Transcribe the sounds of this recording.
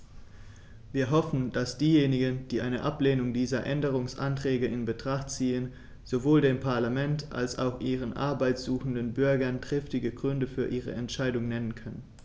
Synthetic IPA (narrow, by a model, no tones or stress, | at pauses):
viːɐɦɔfn̩d̥asd̥iːjeːnɪɡənd̥iːʔaɪnəʔapleːnʊŋdiːzɐʔɛndəʁ̞ʊŋsʔa̰ntʁ̥ɛːɡəɪnbətʁ̥aχtt͡siːən | z̥ovoːldeːmpʰaɐlamɛntʔa̰lsa̰ʊxʔiːʁ̞ənʔa̰ɐbaɪtz̥uːxn̩dənbʏɐɡɐntʁ̥ɪftɪɡəɡʁʏndəfyːɐʔiːʁə̰ɛntʃaɪdʊŋnɛnənkʰœnən